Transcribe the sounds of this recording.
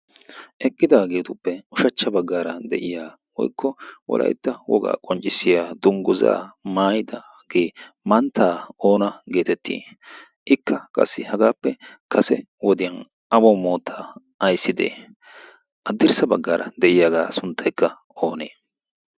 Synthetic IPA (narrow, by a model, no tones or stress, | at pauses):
ʔɛkʼːɪd̪aːɡe̞ːt̪ʊpːɛʊʃɐt͡ʃːɐbɐɡːaːɾɐd̪ɛ̰ʔɪjaː | wɔ̰jkʰːɔwɔ̰lʔɐ̰jt̪ːɐwɔ̰ɡa̰ːkʼɔnt͡ʃʼːɪsːɪjaːd̪ʊŋɡʊza̰ːmaːjɪd̪ɐ | ɡ̥eː | mɐnt̪ʰːaːo̞ːnɐɡe̞ːt̪ɛt̪ːḭː | ʔɪkʰːɐkʼɐ̰sːɪhɐɡaːpːɛkʰɐsɛ | wɔd̪ɪjɐn | ɐbɔmo̞ːt̪ʰːaː | ɐjsːɪd̪ḛː | ʔɐd̪ːɪɾsɐbɐɡːaːɾɐ̰d̪ɛʔɪjaːɡaːsʊnt̪ʰːɐjkːɐ | o̞ːneː